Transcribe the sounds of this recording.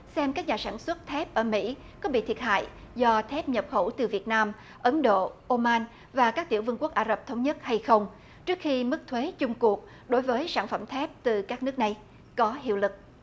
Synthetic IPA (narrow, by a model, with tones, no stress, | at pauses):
sɛ˧mkaː˦˥k̚ɲaː˨˩saː˧˩nswə˦˥t̚t̪ʰɛ˦˥p̚ʔəː˧˩mḭ˧˥ | kɔ˨˦ɓḭ˧˨t̪ʰi˨˩ət̚ha̰ː˧˨j | zɔ˧t̪ʰɛ˦˥p̚ɲə˨˩p̚xo˧˩t̪ɨ˨˩vi˨˩ət̚naː˧m | ʔə˨˦nɗo̰˧˨ʔo˧maː˧n | vaː˨˩kaː˦˥k̚t̪i˧˩əwvɨ˧ŋku˦˥ək̚ʔaː˧˩zə˨˩p̚t̪ʰə˨˦wŋ͡mɲə˦˥t̚ha˧jxə˧wŋ͡m | t͡ɕɨ˦˥ək̚xi˧mɨ˦˥k̚t̪ʰwe˨˦t͡ɕʊ˧ŋ͡mku˨˩ək̚ | ɗo˨˦jvəː˨˦jsaː˧˩nfə˧˩mt̪ʰɛ˦˥p̚t̪ɨ˨˩kaː˦˥k̚nɨ˦˥ək̚na˨˩j | kɔ˨˦ɦḭ˧əwlɨ˨˩k̚